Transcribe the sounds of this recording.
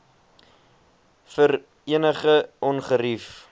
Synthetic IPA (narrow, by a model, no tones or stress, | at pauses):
fər | iənəχəʔɔnχəɾif